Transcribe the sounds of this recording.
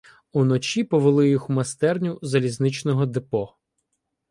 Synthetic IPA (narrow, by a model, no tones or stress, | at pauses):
unɔt͡ʃʲipɔʋelˠɪjixmɐst̪ɛrnʲʊzɐlʲiznɪt͡ʃnɔɦɔd̪ɪpɔ